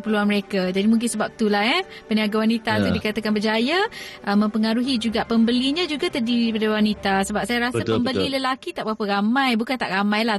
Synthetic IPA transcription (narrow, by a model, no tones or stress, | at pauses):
əpəluanməɾekad͡ʒadimuŋk̬ɪnsəbap̚t̪ulahɛ | pəniaɡawanit̪asadikat̪əkanbəd͡ʒajaʔəmə̃mpəŋaɾuɦid͡ʒuɡaʔpəmbəliɲãd͡ʒuɡat̪ərdiɾipadawanit̪asəbap̚sajaɾasəpəmbəliləlakit̪aʔbapəɾamãjbukant̪a̰ʔɾamãjla